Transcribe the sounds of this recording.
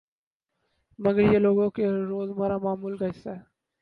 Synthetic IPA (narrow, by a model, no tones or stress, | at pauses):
mɐɡəɾjeloːɡõkeɾoːzməɾamaːmuːlɡɐɪse